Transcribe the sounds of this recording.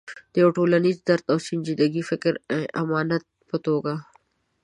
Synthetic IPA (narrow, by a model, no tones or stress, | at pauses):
d̪̥əjoʈoːlanizd̪ɐɾt̪awsɪnd͡ʒid̪aɡifɪkɾẽʔamɑːnat̪̚pət̪oɡa